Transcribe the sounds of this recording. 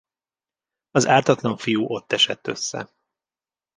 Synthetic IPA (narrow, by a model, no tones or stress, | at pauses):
ɒzaːrt̪ɒt̪lɒɱfijuːʔo̞t̪ːɛʃɛt̪ːø̰sːɛ̰